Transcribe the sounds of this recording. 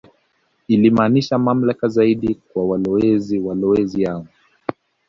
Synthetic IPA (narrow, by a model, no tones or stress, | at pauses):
ilimaːniʃamam̩lakazaiɗikwawalɔwɛziwalɔwɛzijaŋɡu